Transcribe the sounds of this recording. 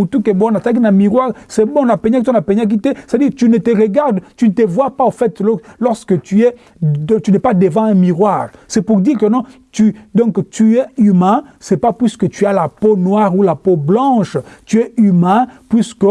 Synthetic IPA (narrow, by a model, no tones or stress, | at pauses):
ut̪ukɛbɔ̃nat̪aknɛ̃miʁwaʁsɛbɔ̃lapɛɲakit̪wɔ̃lapɛɲak̬it̪ɛse̥t̪ad̪iːʁt̪ynət̪əʁəɡaʁd̪t̪ynət̪əvwapaofɛt̪lɔlɔʁskət̪yɛ̃ | t̪ynɛpad̪əvɑ̃ɛ̃miʁwaʁsɛpuʁd̪iʁkənɔ̃ | t̪yd̪ɔ̃kt̪ʰyɛymɛ̃sɛpapɥiskət̪yalaponwaʁulapoblɑ̃ʃt̪yɛymɛ̃pɥiskə